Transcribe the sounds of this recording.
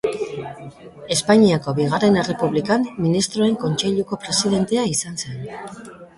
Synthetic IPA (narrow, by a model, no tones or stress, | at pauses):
e̞spaɲiako̞βiɣare̞ne̞re̞puβlikamːinist̪ɾoe̞ŋko̞nt͡ʃe̞ʎuko̞pɾe̞sið̞e̞nt̪eaisanse̞n